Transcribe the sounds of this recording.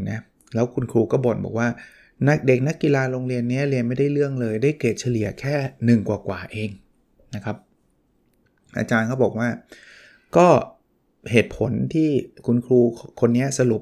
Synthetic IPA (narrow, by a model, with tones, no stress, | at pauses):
na˦˥ | lɛː˦˥wkʰu˧nkʰɾuː˧kɔː˥˩bɔː˨˩nbɔ̰ː˨˩k̚waː˥˩ | na˦˥k̚de˨˩k̚na˦˥kːi˨˧laː˧ɾoː˧ŋɾi˧ənːi˦˥ɐɾi˧ənma˥˩jdaː˥˩jlɯ˥˩əŋlɤː˧jdaː˥˩jkeː˨˩t̪̚t͡ɕʰa˧li˨˩ɐ˦kʰɛː˥˩nɯ˨˩ŋkwaː˨˩kwaː˨˩ʔeː˧ŋ | na˦˥kʰɾa˦˥p̚ | ʔa̰ː˧t͡ɕaː˧nkʰɔː˥˩bɔː˨˩k̚waː˥˩ | kɔː˥˩ | heː˨˩t̪̚pʰo˩˦nt̪ʰiː˥˩kʰu˧nkʰɾuː˧kʰo˧nːi˦˥ɐsa˧lu˨˩p̚